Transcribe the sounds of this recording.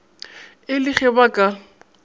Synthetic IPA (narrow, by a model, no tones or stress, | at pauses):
ɪlɪχɛbakʼa